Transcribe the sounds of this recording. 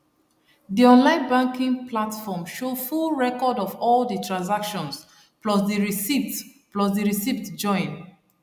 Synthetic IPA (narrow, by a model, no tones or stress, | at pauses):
diɔ̃nlãɪ̃nbãŋkĩŋplatfɔmʃofulɹɛkɔdɔvɔldətɹãns̬akʃɔ̃ns | plɔsdiɹisitplɔsdiɹisivtd͡ʒɔ̃ɪ̃n